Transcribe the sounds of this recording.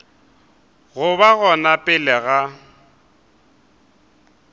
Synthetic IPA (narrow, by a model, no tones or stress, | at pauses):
ɣʊβaɣɔnapʼɪlɛɣa